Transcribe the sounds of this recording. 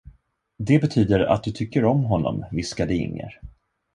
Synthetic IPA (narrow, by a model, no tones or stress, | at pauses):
d̪ɛbɛt̪ʰyːd̪əɾa̰t̪̚d̪ɵt̪ʰʏkːəɾɔmɦɔnːɔ̰mvɪskad̪ɛɪ̰ŋːə̰ɾ